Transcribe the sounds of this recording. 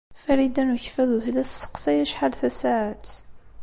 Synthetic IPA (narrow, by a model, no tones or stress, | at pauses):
fæɾid̪ænuçfæðuθlːæθsə̥qsæjæʃħalθæsaʕat̪